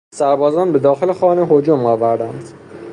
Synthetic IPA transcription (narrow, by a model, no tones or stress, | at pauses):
sæɾbɒːzɒːnbe̞d̪ɒːxelexɒːneɦod͡ʒomɒːvæɾd̪ænd̪